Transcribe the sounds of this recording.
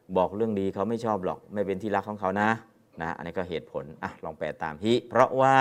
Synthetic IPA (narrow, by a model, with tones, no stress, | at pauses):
bɔː˨˩k̚ɾɯ˥˩əŋdiː˧kʰa˦˥wma˥˩jt͡ɕʰɔː˥˩p̚lɔ̰ː˨˩k̚ma˥˩jpe˧nt̪ʰiː˥˩la˦˥kʰːɔː˨˩˦ŋkʰa˦˥wna˦˥ | na˦ʔa̰˧niː˦˥˩kɔ˥˩ɦeː˨˩t̪̚pʰo˩˦nʔa˨˩lɔː˧ŋpɛː˨˩t̪a̰ː˨mhi˦˥˩pʰɾɔ˦˥ʔwaː˥˩